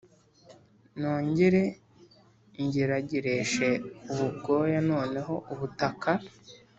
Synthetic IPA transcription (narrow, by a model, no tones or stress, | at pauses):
noːɲɟeɾe | ɲɟiɾaɟiɾeʃe̞uβuɡo̞ːjano̞ːne̞ɦo̞ʔuβutakʰa